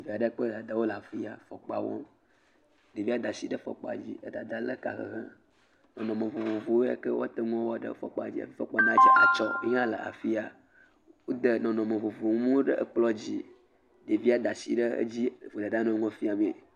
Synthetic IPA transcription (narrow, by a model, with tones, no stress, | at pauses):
vi˨a˨ɖə˦k͡pə˦d̪a˨d̪a˨wo˦la˨fi˦a˨fɔ̰˨k͡pa̰˨wɔ̰˦m | de˨vi˦a˦d̪a˨si˦ɖə˦fɔ̰˨k͡pa̰˨d͡ʑi˦ə˦d̪a˨d̪a˦lə˦ka̰˨xə̰˨ɦã˦ | nɔ̃˨nɔ̃˨mẽ˨vo˨vo˨vo˨wo˦ja̰˦kə˦wʔɔ˦t̪ə˦ŋɔ̃˦wɔ˦ɖə̰˦fɔ̰˨k͡pa̰˨d͡ʑi˦a̰˨fi˦fɔ˦k͡pɔ˦nã˦d͡ʒa˦ʔa̰˨t͡ʃɔ˦e˦ɲã˦lə̰˨ʔa̰˨fi˦a˨ | wo˦d̪ə˨nɔ̃˨nɔ̃˨mẽ˨vo˨vo˨ŋu˦mũ˦ɖə˦ʔə˦k͡plɔ˦d͡ʑi˦ | ɖe˨vi˦a˦d̪a˨sḭ˦ɖə˦ə̰˦d͡ʑi˦˨vo˨d̪a˨da˦nɔ̃˦ŋɔ̃˦fi˦a˨me˨